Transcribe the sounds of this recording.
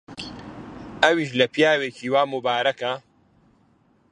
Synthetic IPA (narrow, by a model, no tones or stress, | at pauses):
ɐwiːʃ̬lɐpʰijaːweːciːwaːmubaːɾɐkɐ